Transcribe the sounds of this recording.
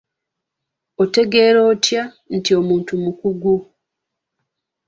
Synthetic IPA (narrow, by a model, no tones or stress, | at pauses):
ote̞ɡeːɾoːtja | n̩tio̞muːntumukuɡu